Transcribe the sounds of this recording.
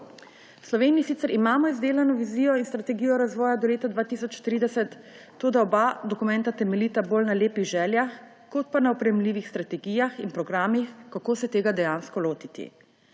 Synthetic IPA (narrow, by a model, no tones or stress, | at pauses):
wslɔʋeːniisit̪sɛɾʔimaːmɔizd̪eːlanɔʋiziːjɔinst̪ɾat̪ɛɡijɔɾazʋɔːjad̪ɔleːt̪ad̪ʋaːt̪isɔt͡ʃt̪ɾiːd̪ɛsɛt̪ː | od̪aɔbad̪ɔkumɛ̃nt̪at̪ɛmɛlit̪abolnaleːpiɣʒɛːljax | kot̪̚panaɔpɾɛjɛmliːʋixst̪ɾat̪ɛɡijaxinpɾɔɡɾaːmixkakoːsɛt̪eːɡad̪ɛjaːnskɔloːt̪it̪ḭ